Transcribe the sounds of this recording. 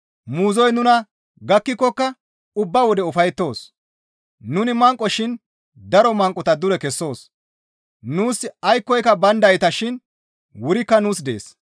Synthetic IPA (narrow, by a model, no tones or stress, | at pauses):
muːzɔjnʊnɐ | ɡɐkːɪkːɔkːɐ | ʊbːɐwɔd̪ɛʊfɐjt̪ːo̞ːs | nʊnɪmɐŋkʼːɔʃɪn | d̪ɐɾɔmɐŋkʼɔt̪ɐd̪ʊɾɛkɛsːo̞ːs | nuːsɐjkːɔjkɐbɐnd̪ɐjɪt̪ɐʃɪn | wʊɾɪkːɐnuːsd̪e̞̰ːs